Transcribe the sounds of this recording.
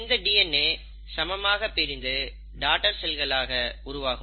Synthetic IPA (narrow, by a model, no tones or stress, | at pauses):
nd̪ɐɖiːɛnːeː | sɐmɐmaːɣɐpːɪɾɪnd̪ɯ | ɖaːʈɐɾsɛlɣɐɭaːɣɐʊɾʊʋaːɣɯ